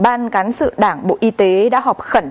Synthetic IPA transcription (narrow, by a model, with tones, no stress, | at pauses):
ɓaː˧nkaː˨˦nsɨ̰˧˨ɗaː˧˩ŋɓo̰˧˨ʔi˨˦t̪e˨˦ɗa̰ː˧˥ɦɔ˨˩p̚xə˧˩n